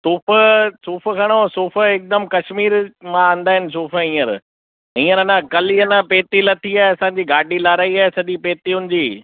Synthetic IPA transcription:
suːfəsuːfəkʰɐɽ̃osuːfəɪk̚d̪əmkɐʃmiːɾmããːn̆d̪aːɦɪnɪ̆s̬uːfəĩːəɾ | ĩːəɾɐnãkɐliːɐnãpeːt̪ilɐt̪ʰiaːɦɐsãːɲ̆d͡ʑiːɡaːɖiːlaːɾaːiaːɦesɐd̪ipeːt̪iʊnɪ̆d͡ʑiː

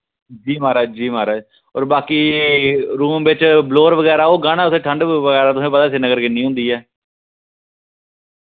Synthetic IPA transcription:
d͡ʒiːmaːɾaːd͡ʒiːmaːɾad͡ʒ | ɔːɾbaːkiː | ɾuːmbɪt͡ʃbloːɾʋəɡɛːɾaːoːɡaːnaːʊseːʈʰəɳɖʋəɡɛːɾaːt̪ʊsẽːpət̪aːɪs̬iːnəɡəɾkɪnːiːɦʊ̃nd̪iːɛː

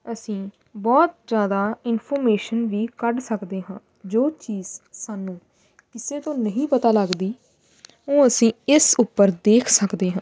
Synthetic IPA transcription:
əsĩː | bɔːt̪̚d͡ʒjaːd̪aːɪnpʰɔːɾmeːʃənʋiːkəɖsəkd̪eːɦãː | d͡ʒoːt͡ʃiːzsaːnũː | kɪseːt̪õːnəɦĩːpət̪aːləɡd̪iː | õːəsĩːɪsʊpːəɾd̪eːkʰsəkd̪eːɦãː

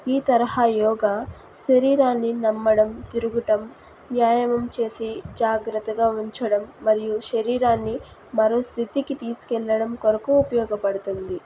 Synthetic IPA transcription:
iːt̪ɐɾɐɦaːjɔːɡa | ʃɐɾiːɾaːnːinɐmːɐɽɐmt̪iɾuɡuʈɐm | ʋjaːjɐmɐmt͡ʃe̞ːsid͡ʒaːɡɾɐt̪ːɐɡaːuɲt͡ʃɐɽɐmːɐɾijuʃɐɾiːɾaːnːi | mɐɾoːst̪ʰit̪ikit̪iːsu̥kɛlːɐɽɐmkɔɾɐkuupɐjɔːɡɐpɐɽut̪und̪i

